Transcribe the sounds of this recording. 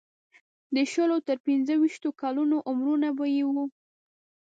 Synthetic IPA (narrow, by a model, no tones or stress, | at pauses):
d̪əʃəlot̪əɾpinzəwiʃt̪okɑlunoʔʊmɾunabajewu